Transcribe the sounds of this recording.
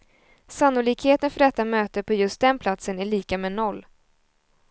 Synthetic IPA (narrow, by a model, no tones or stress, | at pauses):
sanːʊliːkheːt̪ənfœɖɛt̪ːamøːt̪əpʰɔjɵst̪̚d̪ɛnpʰlat̪sənæɭiːkamɛːnɔlː